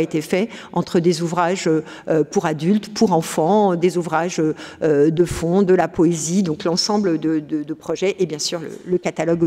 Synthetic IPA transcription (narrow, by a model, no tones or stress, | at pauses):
et̪efɛɑ̃t̪χəd̪ezuvʁaʒø | øpuʁad̪ylt̪pʰuʁɑ̃fɑ̃d̪ezuvʁaʒøød̪əfɔ̃d̪əlapɔezid̪ɔ̃klɑ̃sɑ̃bləd̪əd̪əd̪əpχɔʒɛʔebjɛ̃syʁlə̰ləkat̪alɔɡ